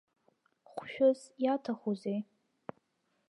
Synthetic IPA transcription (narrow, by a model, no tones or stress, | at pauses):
χʷʃᶣʊzjatʰaχozej